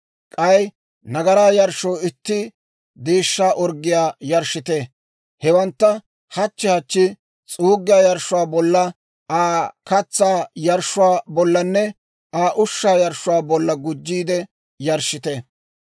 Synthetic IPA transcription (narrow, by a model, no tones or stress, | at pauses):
kʼɐj | nɐɡɐɾaːjɐɾʃoːɪt̪ːɪ | d̪eːʃːaːʔɔɾɡːɪjaːjɐɾʃɪt̪e | hɛwɐnt̪ːɐ | hɐt͡ʃːɛhɐt͡ʃːɪ | t͡sʼuːɡːɪjaːjɐɾʃːʊwaːbɔlːɐ | aːkɐt͡sːaːjɐɾʃʊwaːbɔlːɐnːɛ | aːʔʊʃːaːjɐɾʃʊwaːbɔlːɐɡʊd͡ʒːiːd̪ɛ | jɐɾʃɪt̪e